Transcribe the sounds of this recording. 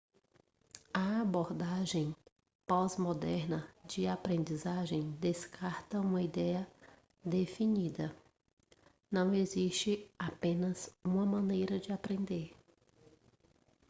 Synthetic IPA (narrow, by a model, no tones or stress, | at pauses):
ɐaboɾd̪aʒẽj̃ | pɔzmod̪ɛɾnɐd͡ʒɪapɾẽnd͡ʒizaʒẽj̃d̪eskʰaɾt̪ɐũmɐid̪ɛjɐ | d̪efinid̪ɐ | nɐ̃w̃eziʃt͡ʃɪapẽnɐzũmɐmɐ̃nejɾɐd͡ʒɪapɾẽnd̪eɾ